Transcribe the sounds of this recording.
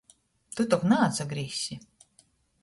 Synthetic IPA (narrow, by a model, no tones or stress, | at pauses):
t̪ut̪ɔknaːsaɡɾʲisʲi